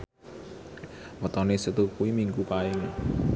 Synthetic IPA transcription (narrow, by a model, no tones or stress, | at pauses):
wɔt̪ɔnesət̪ukuwimiŋɡupaɪŋa